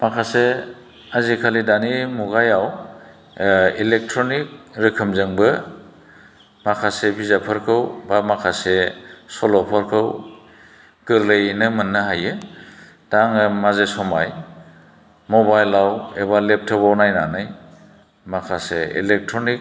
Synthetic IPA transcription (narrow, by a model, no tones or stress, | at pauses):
makʰase | azikʰalidanimuɡajaw | ilek̚tʰɾɔnik̚ɾikʰɯmzɯŋbɯ | makʰasebʰizapʰɯɾkʰɯwbamakʰasesɔlɔpʰɔɾkʰɯw | ɡ̥ɯɾlejnɯmɯnːɯɦajɯ | d̥aŋɯmazesɔmaj | mɔbajlawebalep̚tʰɯbawnajnanɯj | makʰasḛḭlek̚tʰɾonik̚